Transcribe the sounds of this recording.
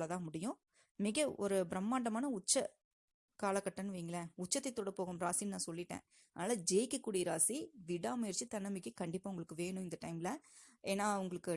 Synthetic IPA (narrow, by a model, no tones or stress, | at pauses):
lɐt̪ãːmʊɽɪjʊ̃ | mɪɣɐɔɾɯbɪɾɐmːaːɳɖɐmaːnɐʊt͡ʃːɐ | kaːlɐkːɐʈːɐnːɯʋɐːŋɡɐlɐʊt͡ʃːɐt̪ːɐɪt̪ːoːɽɐpoːɣɯmɾaːsinnãːsɔlːɪʈːḛ̃ː | ɐðnaːlɐd͡ʒeːkːɯkːuːɽiɾaːsiʋɪɽaːmɐɾt͡ʃːɯt̪ɐnːɐmɪkːɯkɐɳɖɪpːaːʊŋɡɐɭɯkːɯʋeːɳʊ̃ɪnd̪ɐʈɐɪmɪlɐeːnːaːʊŋɡɐɭɯkːɯ